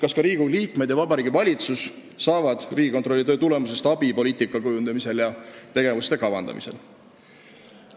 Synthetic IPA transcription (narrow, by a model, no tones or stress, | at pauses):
kɑskɑɾiːɡ̥uliːkˑme̞d̪jɑvɑbɑɾiːɡivɑlʲit̪susː | ɑːvɑd̪̥riːɡ̥ikot̪ˑro̞lːit̪øːt̪ule̞muse̞st̪ɑbipo̞liːt̪ˑikːˑɑkujund̪̥ɑmise̞ljɑt̪e̞ɡe̞vust̪e̞kɑvɑnd̪ɑ̰mḭse̞̰l